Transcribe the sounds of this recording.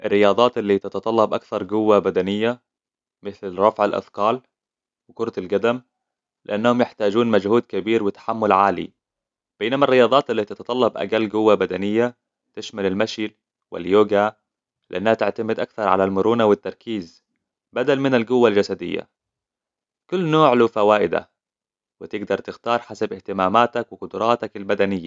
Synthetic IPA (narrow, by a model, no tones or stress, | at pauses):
ʔɪrːɪjɑːd̪ˤɑːt̪ʔɪlːiːt̪ɪt̪ɑt̪ˤɑlːɑbʔakθɑɾˤɡʊwːabad̪anɪjːa | mɪθlɾˤɑfʕalʔɑ̰θkɑːl | wɪkʊɾˤt̪lɡad̪am | lɪʔanːahʊmjɪħt̪aːd͡ʒuːnmad͡ʒhuːd̪kabiːɾwɪt̪ḁħamːʊlʕaːlḭ | b̥eːnamarːɪjɑːd̪ˤɑːt̪ɪlːit̪ɑt̪ɑt̪ˤɑlːɑbʔa̰ɡalːɡʊwːabad̪anɪjːa | t̪ɪʃmalalmaʃil | wɪ̰ljoːɡa | lɪʔanːahat̪ɪʕt̪amɪd̪ʔak̚θɑɾˤʕa̰lalmʊɾuːnawɪt̪ːɑɾˤkiːz | bad̪almɪnalɡʊwːald͡ʒasad̪ɪ̰jːa̰ | kʊlːnoːʕlʊfawaːʔɪd̪a̰ | wɪt̪ɪɡd̪ɑɾˤt̪ɪxt̪ɑːɾˤħasabɪht̪ɪmaːmaːt̪akwɪqʊd̪ʊɾˤɑːt̪akalbad̪anɪjːa̰